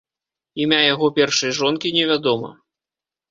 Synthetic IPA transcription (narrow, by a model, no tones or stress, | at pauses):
imʲajaɣɔpʲɛrʂɐjʐɔnkʲinʲɛvʲad̪ɔmɐ̰